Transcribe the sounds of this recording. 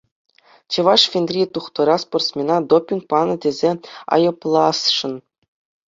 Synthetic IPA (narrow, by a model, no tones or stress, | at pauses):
t͡ɕɤ̆ʋɑʂfʲenʲd̪rʲit̪uχt̪ɤ̆ɾɑsport̪smʲenɑd̪opʲːiŋk̚pɑnɤ̆d̪ʲezʲeɑ̰jɤ̆plˠɑsʂɤ̆n